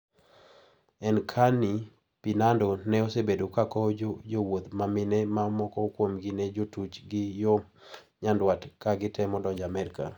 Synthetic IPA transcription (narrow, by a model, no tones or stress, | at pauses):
ɛnkʰani | pinandonɛosebedokakɔd͡ʒowot̪mamɪnɛmamɔkɔkwomɡined͡ʒotut͡ʃɡɪjo | ɲandwatkaɡɪtɛmɔdɔd͡ʒamɛɾɪka̰